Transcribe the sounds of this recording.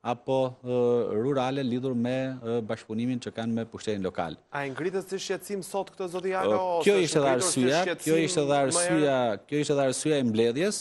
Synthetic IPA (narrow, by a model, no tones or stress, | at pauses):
apɔ | ɾuɾalɛliðuɾmɛbaʃpunimint͡ʃəkanmɛpuʃt̪ɛt̪inlɔka̰laiŋɡɾit̪ɛsiʃjɛt̪simsɔt̪kt̪əzɔt̪iakjɔiʃt̪ɛðaɾsyjakjɔiʃt̪ɛðaɾsyjakjɔiʃt̪ɛðaɾsyjaɛmblɛðjɛs